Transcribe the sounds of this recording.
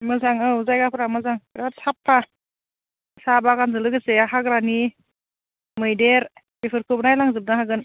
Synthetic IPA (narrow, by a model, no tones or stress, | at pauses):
mɯzaŋɯuzajɡapʰɯɾamɯzaŋɾasʰapʰːa | sabaɡanzɯlɯɡɯseaɦaɡɾani | mɯjdeɾ | bepʰɯɾkʰɯbnajlaŋzɯp̚naɦaɡɯn